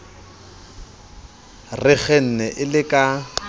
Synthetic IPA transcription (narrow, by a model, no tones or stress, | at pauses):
rɪɣɛn̩nɛʔɪlɪkʼa